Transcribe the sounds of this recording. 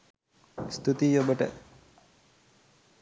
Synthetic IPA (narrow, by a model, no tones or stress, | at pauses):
st̪ut̪ijobəʈə̰